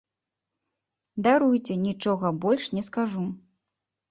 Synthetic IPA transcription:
d̪aɾujt͡sʲɛnʲit͡ʂɔɣɐbɔlʲʂnʲɛskaʐu

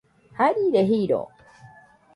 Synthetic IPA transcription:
haɾiɾeɦiɾo̰

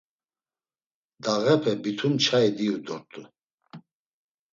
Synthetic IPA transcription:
d̪aɣɛpʰɛbit̪ʰumt͡ʃʰaid̪iud̪ɔɾt̪ʼu

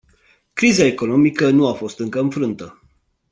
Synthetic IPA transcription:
kɾizae̞ko̞no̞mikənuafo̞st̪ɨŋkəɨnfɾɨnt̪ə

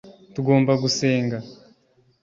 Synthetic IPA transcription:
tuɡo̞ːmbaɡuse̞ːŋɡa

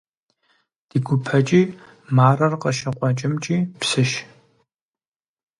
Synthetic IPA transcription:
d̥iːɡʷʊpʰɐt͡ʃʼiː | maːrɐrqɐʃɐqʷʼɔt͡ʃʼɪmt͡ʃʼiːpsɨʃ

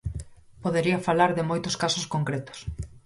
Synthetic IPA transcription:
poðeɾiɐfalaɾðɪmojt̪ʊskasoskoŋkɾet̪o̥s

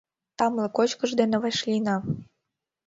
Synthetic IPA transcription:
t̪ɑmlɤ̆kot͡ɕkə̆ʒd̪enĕβeʃlʲinɑ

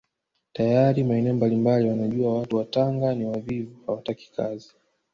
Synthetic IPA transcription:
tajaɾimaɛnɛɔmbalimbaliwanaʄuawatuwataŋɡaniwavivuhawataki̥kʰazi

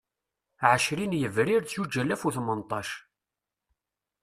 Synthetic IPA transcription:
ʕəʃɾinjəvɾiɾt͡sjud͡ʒːælːæfuθmənt̪ˤːɑʃ

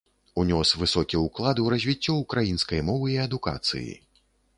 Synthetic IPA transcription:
unʲɔsvɨsɔkʲiuklˠad̪ɨwɾɐzʲvʲit͡sʲːɔukɾajinskɐjmɔvɨiɐd̪uka̰t̪sɨ̰jḭ

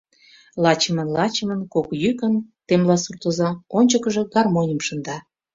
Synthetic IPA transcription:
lɑt͡ɕəmənlɑt͡ɕəmənkokjykənt̪emlɑsurt̪ə̆zɑonʲt͡ɕəkəʒɤ̽ɡɑrmonʲəmʃə̆nd̪ɑ

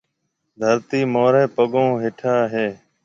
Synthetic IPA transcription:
d̪ʱəɾt̪iːmoːɾẽːpəɠõːɦeːʈʰaːɦeː

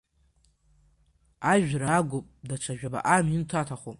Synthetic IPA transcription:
aʒᶣɾaːɡʷʊpʼdat͡ʃʰaʒᶣaba̰ʔamintʰatʰaχop

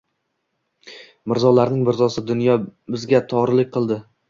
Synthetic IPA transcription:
mɪɾzɒlaɾnɪŋmɪɾzɒsɪd̪ʊnjɒbɪzɡʲat̪ʰɒʁɾɪlɪk̚ʲqʰɨlˠd̪ɪ

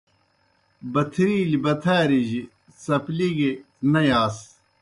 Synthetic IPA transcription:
bɐt̪ʰɾiːlibɐt̪ʰaːɾiʑi | sɐpliɡe | nɐjaːs

